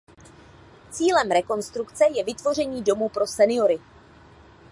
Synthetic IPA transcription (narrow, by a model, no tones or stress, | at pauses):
t͡siːlɛmɾɛko̞nst̪ɾukt͡sɛjɛvɪt̪vo̞r̝ɛɲiːdo̞muːpɾo̞sɛnɪjo̞ɾɪ